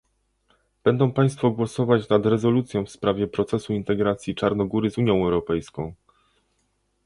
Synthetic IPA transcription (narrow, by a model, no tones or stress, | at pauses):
b̥ɛnd̪ɔ̃w̃paj̃st̪fɔɡwɔsɔvat͡ɕnad̪ɾɛzɔlut̪sʲjɔ̃w̃fspɾavʲjɛpɾɔt̪sɛsuint̪ɛɡɾat̪sʲjit͡ʂaɾnɔɡuɾɘzuɲjɔ̃w̃ɛwɾɔpɛjskɔ̃w̃